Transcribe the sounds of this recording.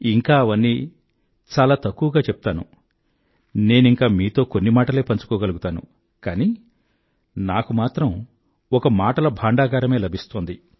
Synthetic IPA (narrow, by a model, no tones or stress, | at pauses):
iŋkaːɐʋɐnːi | t͡ʃaːlaːt̪ɐkːuʋɐɡaːt͡ʃɛpu̥t̪aːnṵ | ne̞ːniŋkaːmiːt̪o̞ːkonːimaːʈɐle̞ːpɐɲt͡ʃu̥kɔːɡɐluɡut̪aːnṵ | kaːni | naːkumaːt̪ɾɐm | ɔkɐmaːʈɐlɐbʱaːɳɖaːɡaːɾɐme̞ːlɐbʱist̪oːnd̪i